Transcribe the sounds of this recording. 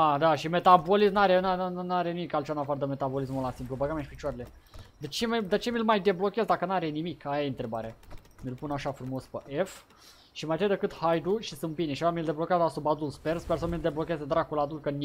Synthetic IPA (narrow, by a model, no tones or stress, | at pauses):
ad̪aʃime̞t̪abolismnaɾenanaɾenimikalt͡ʃeanapaɾd̪əme̞t̪abo̞lismulasimplubəɡamjaʃi̥pit͡ʃoaɾele | d̪et͡ʃemd̪et͡ʃe̞milmajd̪e̞blo̞kʲezd̪akənaɾenimikajaejɨnt̪ɾe̞baɾe | mʲilpunaʃafɾumo̞spəʔef | ʃimajt̪əjd̪əkɨt̪hajd̪uʃisɨmpineʃiaamild̪e̞blo̞kʲeazasubad̪ulsperspers̬əmild̪e̞blo̞kʲe̞zed̪ɾakulad̪ulkən